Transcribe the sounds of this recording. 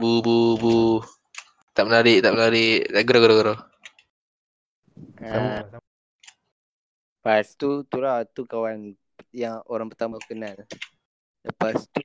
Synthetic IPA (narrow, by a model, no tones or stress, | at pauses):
bububu | t̪aʔmənaɾiʔt̪aʔmənaɾɪʔt̪aʔɡɾoɡəɾoɡəɾa | a | past̪ut̪uɾat̪ukawan | jaŋoɾaŋpərt̪amakənal | dəpast̪u